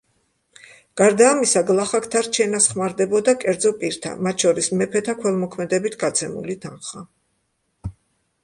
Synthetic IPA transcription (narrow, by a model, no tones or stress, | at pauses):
ɡ̥aɾd̪aːmisaɡlˠaχakʰt̪ʰaɾt͡ʃʰɛnasχmaɾd̪ɛbɔd̪akʼɛɾd̪zɔpʼiɾt̪ʰa̰mat̪ʃɔɾismɛpʰɛt̪ʰakʰwɛlˠmɔkʰmɛd̪ɛbit̪ʰɡat̪sʰɛmṵlit̪ʰanχa